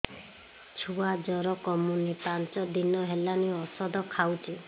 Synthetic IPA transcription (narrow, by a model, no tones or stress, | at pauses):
t͡ʃʰuad͡ʒɔɾɔkɔmunipant͡ʃɔd̪inɔɦelaniɔsɔd̪ɔkʰawt͡ʃʰi